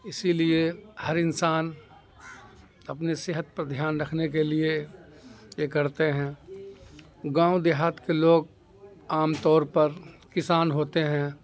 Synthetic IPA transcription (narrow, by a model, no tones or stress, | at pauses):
ɪsiliehɐɾɪnsaːn | ɐpneseːɦət̪̚pɐɾd̪ʱjaːnɾɐkʰnek̬elie | jekɐɾt̪eɦɛ̃ː | ɡãːʊd̪ɪɦaːt̪keloːɡ | aːmt̪ɔːɾpɐɾkɪsaːnɦoːt̪eɦɛ̃ː